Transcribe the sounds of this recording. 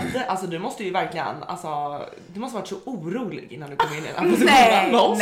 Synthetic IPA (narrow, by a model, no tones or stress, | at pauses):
d̪əʔalsɔd̪ɵmɔst̪əjɵvæɾklɪɡə̰na̰lsɔ | d̪ɵmɔst̪əvaʈsɔʔuːɾuːlɪ̰ɡɪnːanɵk̪ɔmenɪə̰nʔaɔd̪anɔ